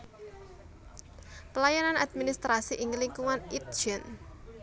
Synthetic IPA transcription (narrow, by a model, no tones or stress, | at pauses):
pəlajananad̪̚minist̪ɾasiʔɪŋliŋkuŋanit̪̚d͡ʒ̥ɛn